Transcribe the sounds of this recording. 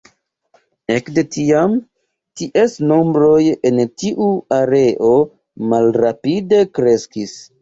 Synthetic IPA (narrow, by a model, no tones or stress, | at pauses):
ekde̞tiam | tiʔesno̞mbɾo̞je̞ntiʔuaɾe̞ʔo̞ | malɾapide̞kɾe̞skis